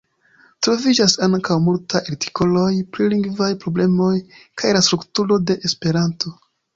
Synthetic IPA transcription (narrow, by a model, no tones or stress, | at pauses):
tɾo̞vid͡ʒasaŋkawmultʰajaɾti̥kʰo̞lo̞jpɾiliŋɡvajpɾo̞ble̞mo̞jkʰajlastɾuktuɾode̞ʔespe̞ɾanto̞